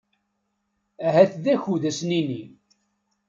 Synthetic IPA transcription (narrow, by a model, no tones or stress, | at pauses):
æɦæθðæçuðæsnini